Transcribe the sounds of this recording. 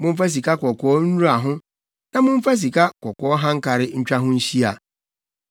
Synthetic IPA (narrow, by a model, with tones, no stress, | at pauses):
mʊ̃˦m̩˦fa˦s̬i˨ka˦kʰɔ˨kʰɔː˨˦n̩˦u˦a˨ɦʊ̃˦ | nã˦mʊ̃˦m̩˦fa˦s̬i˨kʰa˦kʰɔ˨kɔː˨ɔ˦ɦã˦ŋ̩˦kʰa˨ɾɪ˦ɲ̩˦t͡ɕᶣa˦ɦʊ̃˦n̩˦ɕi˦a˨